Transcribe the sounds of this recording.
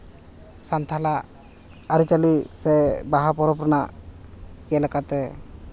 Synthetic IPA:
sant̪ʰala | aɾit͡ʃalisɛbaɦapɔɾɔpɾɔna | kɛɛlakat̪ɛ

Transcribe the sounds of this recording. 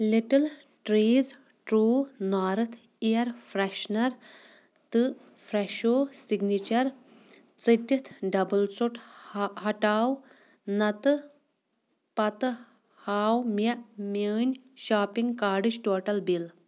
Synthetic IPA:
liʈɐl | ʈɾeːz | ʈɾuːnaːɾɨt̪ʰ | ijɐɾfʰɾɐʃnɐɾ | t̪ɨ | fʰɾeʃoːsiɡnit͡ʃɐɾ | t͡sɨtʲːit̪ʰɖɐbɨlt͡suʈɦɐʈaːw | nɐt̪ɨ | pɐt̪ɨ | haːwmɐməːnʲʃaːpiŋɡkaːɾɖɨt͡ʃʈoːʈɐlbil

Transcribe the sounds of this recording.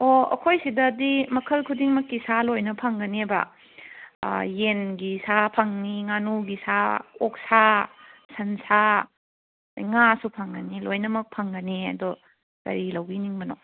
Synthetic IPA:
oɐ̰kʰojsidɐdimɐkʰɐlkʰudiŋmɐkːisalojnɐpʰɐŋɡɐnebɐ̰ | jenɡisapʰɐŋniŋanuɡisaok̚sasɐnsa | ŋasupʰɐŋɡɐnilojnɐmɐk̚pʰɐŋɡɐniɐ̰dɔ | tɐ̰ɾilɐwɡiniŋbɐno

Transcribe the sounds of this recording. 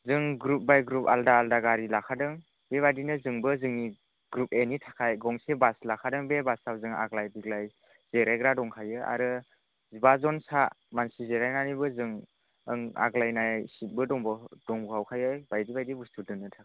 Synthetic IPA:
zɯŋɡɾup̚bajɡɾup̚aldaːldaɡaɾilakʰadɯŋ | b̥eβadinɯzɯŋbɯzɯŋni | ɡɾup̚enitʰḁkʰajɡɔŋsebaslakʰadɯŋbebasawzɯŋa̰ɡlajbiɡlaj | z̥eɾajɡɾadɔŋkʰajɯʔa̰ɾɯ | zibazɔnsa | mansizeɾajnanibɯzɯŋ | ɯŋa̰ɡlajnasit̚bɯdɔŋbd̥ɔŋbuhawkʰajɔjbajdibajdibustudɯnɯtʰḁkʰa

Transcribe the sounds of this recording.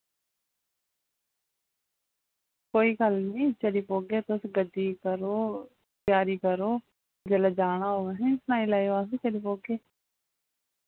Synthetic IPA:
koːiːkəlnĩːt͡ʃəɗiːpoːɡeːt̪oːsɡəɖʱiːkəɾoː | pjaːɾiːkəɾoː | d͡ʒəlad͡ʒaːɽ̃ãːɦoːɡaɦĩːsnaːĩːlaːjoaːsĩːt͡ʃəɗiːpoːɡeː

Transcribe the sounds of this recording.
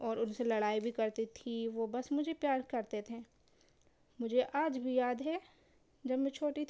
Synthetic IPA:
ɔːɾʊnselɐɽaːibʱikɐɾt̪it̪ʰiʋobɐsmʊd͡ʒʱepjaːɾkɐɾt̪et̪ʰẽː | mʊd͡ʒʱeʔaːd͡ʒbʱijaːd̪ɦɛ | d͡ʒɐbmẽt͡ʃʰoːʈit̪

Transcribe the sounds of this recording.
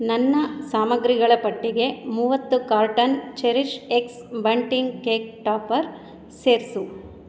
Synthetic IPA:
nɐnːɐsaːmɐɡɾiɡɐɭɐpɐʈːiɡe̞muːʋɐt̪ːukaːɾʈɐnt͡ʃeɾiʃeks | bɐɳʈiŋɡkeːk̚ʈaːpɐɾ | seːɾsu

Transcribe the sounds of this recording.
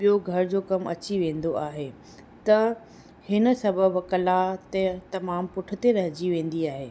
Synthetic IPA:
ɓijoɡʱɐɾɪd͡ʑoːkɐmʔɐ̰t͡ɕiʋẽːnd̪oaːɦe | t̪ɐ | hɪnə̆sɐbʱəbkɐlat̪et̪ɐmaːmpʊʈʰʊ̆t̪eɾɐɦɪd͡ʑiʋẽːn̆d̪iaːɦeː

